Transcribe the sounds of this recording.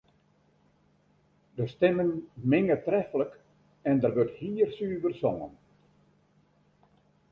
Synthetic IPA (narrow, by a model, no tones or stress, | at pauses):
dəstɛmənmɪŋətrɛfələk | ɛndərʋøthiːrsyːʋərsɔŋə̰n